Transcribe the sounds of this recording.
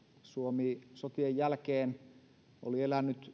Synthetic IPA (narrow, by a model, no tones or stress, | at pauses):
suomiːsot̪iejjælkeːn | ʔo̰lielænːyt̪